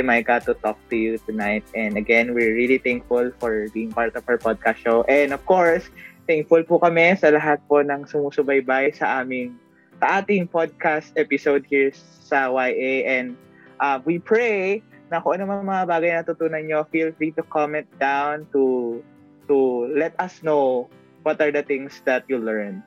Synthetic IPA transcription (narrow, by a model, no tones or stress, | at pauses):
d̪ɪmajkat̪ːʊt̪ɔk̚t̪ujut̪ʊnajt̪̚ʔɛ̃nd̪ɐɡɛ̃nwɪɹːilit̪ɛŋkfʊlfɔɹbiːɪŋpaɹt̪ɔvɐɹpɔd̪̚kast̪ʃowʔɛnɔv̥koɹst̪ɛŋkfʊlpʊkɐmɛsɐlɐɦat̪̚ponɐŋsʊmuːsʊbɐjbajsɐʔaːmɪŋ | sɐʔaːt̪ɪŋpod̪̚kast̪̚ʔɛpɪsowd̪̚hiɹ | sɐwajʔejʔɛ̃nd̪ | ʔɐwipɹejnɐkoʔɐnomɐŋmɐŋɐbaːɡɐjnɐt̪ʊt̪uːnɐnɲofilfɾit̪ʊkɔmɛnt̪̚d̪awnt̪u | t̪ulɛt̪ɐsnow | wɔt̪ɐɹd̪ɐt̪ɪ̃ŋsd̪ɐt̪̚julɛɹn